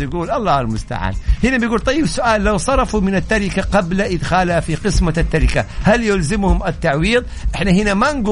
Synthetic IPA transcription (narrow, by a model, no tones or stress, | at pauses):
jɪɡuːlʔɑlˤːɑːhalmʊst̪a̰ʕa̰ːnhɪnabjɡuːlt̪ˤɑjːɪbsʊʔaːlːawsˤɑɾˤɑfumɪnat̪ːaɾɪkaqɑblaʔɪd̪xaːlafiqɨsmat̪ːaɾɪkahaljʊlzɪmhʊmat̪ːaʕwiːðˤ | ʔɪħnahɪnamanɡu